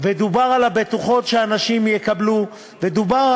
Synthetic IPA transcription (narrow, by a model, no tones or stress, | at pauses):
ved̪ubaʁalabet̪uχo̞t̪ʃeanaʃimjekablu | ved̪ubaʁ